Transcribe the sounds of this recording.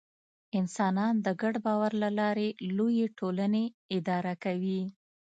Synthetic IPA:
ɪnsɑnɑnd̪əɡaɽbɑwaɾlalɑɾelojeʈʰolaneɪd̪ɑɾakawi

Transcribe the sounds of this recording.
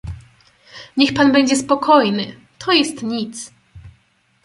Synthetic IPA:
ɲɛxpanbɛɲd͡ʑɛspɔkʰɔjnɘ | t̪ʰɔjɛst̪ɲit̪s

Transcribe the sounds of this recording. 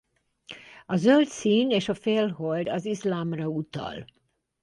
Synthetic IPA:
ɒzølt̪siːneːʃɒfeːlɦold̪ɒzislaːmrɒut̪ɒ̰l

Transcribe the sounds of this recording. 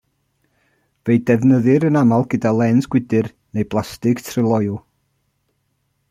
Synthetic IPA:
vejdɛvnəðɨɾənamalˠɡədalˠɛnsɡ̥wɪdɨr | nejblˠastɪɡtʰrɪlˠɔjʊ

